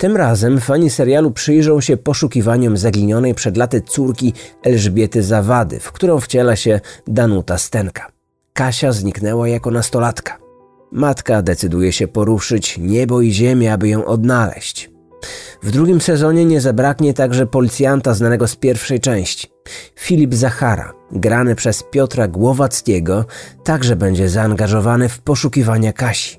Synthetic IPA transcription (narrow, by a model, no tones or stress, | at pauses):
t̪ɘmɾazɛmfːaɲisɛɾjalupʂɘjʐɔ̃w̃ɕɛpɔʂukʲivaɲɔmzaɡʲiɲɔnɛjpʂɛd̪lat̪ɘt̪suɾkʲiɛlʐbʲjɛt̪ɘzavad̪ɘ̰fkt̪uɾɔ̃w̃ft͡ɕɛlaɕɛd̪anut̪ast̪ɛŋkḁ | kaɕazɲiknɛwajakɔnast̪ɔlat̪kḁ | mat̪kad̪ɛt̪sɘd̪ujɛɕɛpɔɾuʂɘt͡ɕɲɛbɔiʑɛmʲjɛabɘjɔ̃w̃ʔɔd̪nalɛ̰ɕt͡ɕ | vd̪ɾuɡʲimsɛzɔɲɛɲɛzabɾakɲɛt̪aɡʐɛpɔlʲit̪sʲjant̪aznanɛɡɔspʲjɛɾfʂɛjt͡ʂɛ̃w̃ɕt͡ɕi̥fʲilʲibzaxaɾa̰ɡɾanɘpʂɛspʲjɔt̪ɾaɡwɔvat̪skʲɛɡɔt̪aɡʐɛbɛɲd͡ʑɛzaːŋɡaʐɔvanɘfpɔʂukʲivaɲakaɕi̥